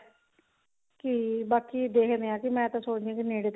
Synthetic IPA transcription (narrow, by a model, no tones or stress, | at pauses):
kibaːkiːd̪eːkʰnd̪eãːkɪmɛ̃ːt̪ãːsoːd͡ʒ̪ijãːkineːɽeːt̪